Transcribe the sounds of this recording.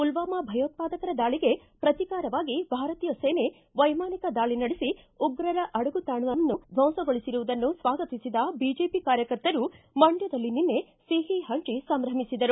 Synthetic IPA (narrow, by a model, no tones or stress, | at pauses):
ulʋaːmɐbʱɐjoːt̪̚paːd̪ɐkɐɾɐd̪aːɭiɡe̞pɾɐt̪ikaːɾɐʋaːɡibʱaːɾɐt̪iːjɐseːne | ʋɐjmaːnikɐd̪aːɭinɐɽesi | uɡɾɐɾɐʔɐɽɐɡut̪aːɳuʋɐmɐnːub̪ʱɐw̃sɐɡoɭisiɾuʋud̪ɐnːusʋaːɡɐt̪isid̪ɐbid͡ʒeːpikaːɾjɐkɐɾt̪ɐɾu | mɐɳɖjɐd̪ɐlːininːe̞ | siːɦiɦɐɳt͡ʃisɐmɾɐmisid̪ɐɾu